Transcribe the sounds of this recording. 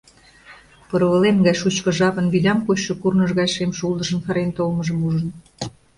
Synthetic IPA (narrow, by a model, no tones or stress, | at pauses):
pɤɾβə̆lemɡɑjʃut͡ɕkɤ̆ʒɑβə̆nβid̪ʲɑmkot͡ɕʃŏkurnəʒɣɑjʃemʃulˠd̪ə̆ʒə̆nfɑɾent̪olməʒəmuʒən